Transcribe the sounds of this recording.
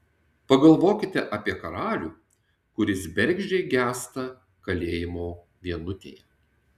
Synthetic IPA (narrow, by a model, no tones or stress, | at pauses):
pɐɡɐlˠʋoːkʲɪt̪ʲɛʔɐpʲiɛkɐɾɑːlʲuː | kʊɾʲɪsbʲɛɾʲˑɡʒʲɛɪɡʲæːst̪ɐ | kɐlʲeːjɪmoː | ʋʲiɛnʊt̪ʲḛːjɛ